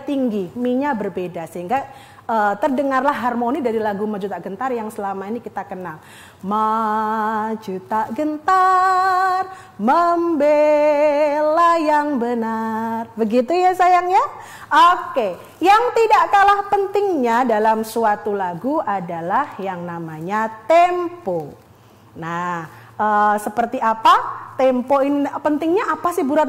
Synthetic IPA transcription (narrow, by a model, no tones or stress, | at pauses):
t̪iŋɡimiɲabərbedasəɦiŋɡa | əːt̪ərdəŋarlaɦːarmonidaɾilaɡumad͡ʒut̪aɡənt̪arjaŋsəlamainikit̪akənal | ma | d͡ʒut̪aʔɡənt̪a | r | məmbe | lajaŋbənarbəɡit̪ujasajaŋja | ʔoke | jaŋt̪idaʔkalahpənt̪ɪŋɲadalamsuat̪ulaɡuʔadalahjaŋnamaɲat̪ɛmpo | nahʔəsəpərt̪iapat̪ɛmpoinpənt̪ɪŋɲaʔapasɪhbuɾat̪̚